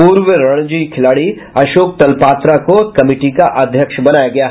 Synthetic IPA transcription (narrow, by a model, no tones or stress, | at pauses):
puːɾʋəɾɐɽ̃d͡ʒiːkʰɪlaːɽi | ɐʃoːk̚t̪ɐlpaːt̪ɾakokɐmiːʈikaʔɐd̪ʱjəkʃbɐnaːjaɡɐjaɦ